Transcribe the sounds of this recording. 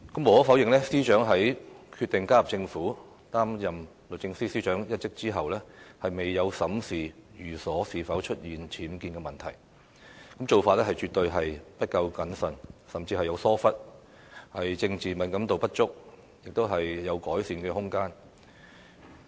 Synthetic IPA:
kɐ˨˥mːo˨˩wɔː˨˥fɐ˨˥wjɪ˨ŋlɛ˥siː˥t͡ʃœː˨˥ŋɦɐ˨˥jkʰyː˧t̪ɪ˨ŋkaː˥jɐ˨˩p̚t͡sɪ˧ŋfuː˨˥ | t̪aː˥mjɐ˨m | lɵ˨˩t͡ɕɪ˧ŋsiː˥siː˥t͡ʃœː˨˥ŋjɐ˥t̚t͡sɪ˥k̚t͡siː˥ɦɐ˨wlɛː˥hɐ˨jme˨jːɐ˨˧wsɐ˨˥msiː˨jyː˨˩sɔː˨˥siː˨fɐ˨˥wt͡ʃʰɵ˥t̚jiː˨nt͡sʰiː˨˥mkiː˧nkɛ˧mɐ˨˩nt̪ʰɐ˨˩j | kɐ˨˥mt͡so˨wfaː˧t̚lɛ˥hɐ˨jt͡ʃyː˨t̪ɵ˧ɥɦɐ˨jpɐ˥t̚kɐ˧wkɐ˨˥nsɐ˨˩nsɐ˨mt͡siː˧ɐ˨jɐ˨˧wsɔː˥fɐ˥t̚ | hɐ˨jt͡sɪ˧ŋt͡siː˨˩mɐ˨˥nkɐ˨˥mt̪o˨wpɐ˥t̚t͡ʃʊ˥k̚ | jɪ˨k̚t̪o˥wɦɐ˨jːɐ˨˧wkɔː˨˥jsiː˨˧nkɛː˧hʊ˥ŋkaː˥n

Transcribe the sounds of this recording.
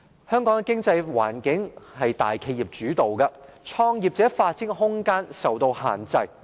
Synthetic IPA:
hœː˥ŋkɔː˨˥ŋ˧kɪ˥ŋt͡sɐ˧jwa̰ː˨˩nkɪ˨˥ŋhɐ˨jt̪a̰ː˨˩jkʰe˧jiː˨˩p̚t͡ʃyː˨˥t̪o˨wkɐ˧t͡ʃʰɔː˧ŋji˨p̚t͡sɛː˨˥faː˧t̚t͡sɪ˥ŋɦʊ˥ŋkaː˥nsɐ˨wt̪o˧wha̰ː˨nt͡sɐ˧j

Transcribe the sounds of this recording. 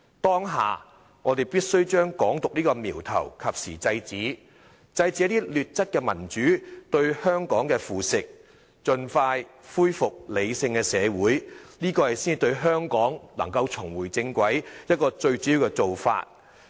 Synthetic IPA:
t̪ɔː˥ŋɦa̰ː˨˩ | ŋɔː˨˧t̪e˨˩jpiː˥t̚sɵ˥wt͡ʃœː˥ŋkɔː˨˥ŋt̪ʊ˨k̚niː˥kɔː˧miː˨˩wt̪ʰɐ̰˨˩wkʰɐ˨p̚siː˨˩t͡sɐ˧jt͡siː˨˥ | t͡sɐ˧jt͡siː˨˥ɐ˥t̪iː˥lyː˨˩t̚t͡sɐ˥t̚kɛː˧mɐ˨˩nt͡ʃyː˨˥t̪ɵ˧ɥhœː˥ŋkɔː˨˥ŋkɛː˧fuː˨sɪ˨k̚ | t͡ʃɵ˧nfaː˧jfuː˥jfʊ˨k̚le˨˧jsɪ˧ŋkɛː˧sɛː˨˧wuː˨˥jniː˥kɔː˧hɐ˨jsiː˥ni˨˩t̪ɵ˧ɥɦœː˥ŋkɔː˨˥ŋlɐ̰˨˩ŋkɐ˧wt͡sʰʊ˨˩ŋwuː˨˩jt͡sɪ˧ŋkʷɐ˨˥jjɐ˥t̚kɔː˧t͡ʃɵ˧ɥt͡sy˨˥ji˨˧wkɛ˧t͡so˨wfa̰ː˧t̚

